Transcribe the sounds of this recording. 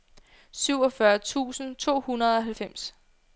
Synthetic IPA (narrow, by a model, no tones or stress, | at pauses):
syʊɒ̽fɶɐt͡sʰṵːsn̩t͡sʰo̝̰ːhunɐð̞̩ˠɒ̽ɦælfem̰s